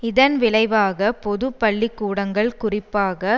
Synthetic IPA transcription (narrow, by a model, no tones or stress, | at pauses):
ɪðɐnʋɪɭɐɪʋaːɣɐpɔðɯpːɐɭːɪkːuːɽɐŋɡɐɭkʊrɪpːaːɣɐ